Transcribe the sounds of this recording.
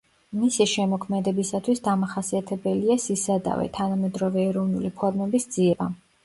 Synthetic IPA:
misiʃɛmɔkʰmɛd̪ɛbisat̪ʰwisd̪amaχasiat̪ʰɛbɛliasisad̪a̰vɛ̰t̪ʰanamɛd̪ɾɔvɛːɾɔvnulipʰwad̪mɔbisd̪z̥iɛba

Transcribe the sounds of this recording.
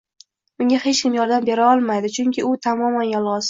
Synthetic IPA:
ʊŋɡʲahe̞t͡ʃkʲʰɪmjɒɾd̪ambe̞ɾaɒlˠmajd̪ɪt͡ʃʰʊŋʲkʲɪʊt̪ʰamɒmanjɒlˠʁɒs

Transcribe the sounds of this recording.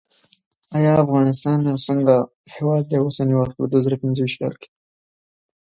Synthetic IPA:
ɑjɑafɣɑnɪst̪ɑnawsəŋɡa | hewɑd̪̚ewəsaniwalpəd̪wazɑɾapɪnzəwiʃt̪kɑ̰lke̥

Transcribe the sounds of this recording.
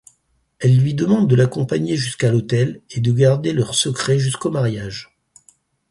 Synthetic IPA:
ɛlːɥid̪əmɑ̃d̪ːəlakɔ̃paɲeʒyskalot̪ɛled̪əɡaʁd̪elœʁsəkχɛʒyskomaʁjaʒ

